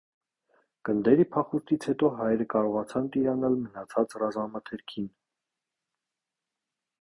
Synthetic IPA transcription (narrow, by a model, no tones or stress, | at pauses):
ɡ̥ənd̪ɛɾipʰɑχuɾt̪ʰit͡sʰhɛt̪ɔɦɑjɾəkɑɾɔʁɑt͡sʰɑnt̪iɾɑnɑlmənɑt͡sʰɑt͡srɑzɑmɑt̪ʰɛɾkʰin